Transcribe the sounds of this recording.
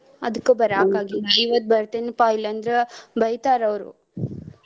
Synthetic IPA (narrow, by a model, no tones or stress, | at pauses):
ɐ̰d̪ukːubɐɾaːkaːɡiɐiʋɐt̪̚bɐɾt̪enpaːjilɐnd̪ɾebɐjt̪aːɾɐʋɾṵ